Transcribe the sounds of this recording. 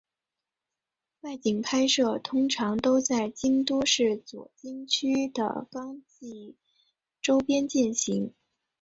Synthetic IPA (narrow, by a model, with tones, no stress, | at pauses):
wa˥˩ɪt͡ɕi˨˩ŋpʰa˥ɪʂɤ˥˩t̪ʰʊ˥ŋʈ͡ʂʰɑ˧˥ŋt̪o˥ʊt͡sa˥˩ɪt͡ɕi˥ŋt̪u˥ʂɻ̩˥˩t͡swɔ̰˨˩t͡ɕi˥ŋt͡ɕʰy˥d̪ə̰˨˩kɑ˥ŋt͡ɕi˥˩ | ʈ͡ʂo˥ʊpjɛ˥nt͡ɕi˥˩nɕi˧˥ŋ